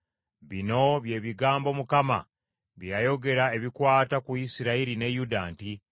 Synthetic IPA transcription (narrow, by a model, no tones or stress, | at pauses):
βino̞βje̞ːβiɡaːmbo̞mukama̰ | βjajo̞ɡe̞ɾae̞βikwaːtakuisiɾaiɾine̞judaːnti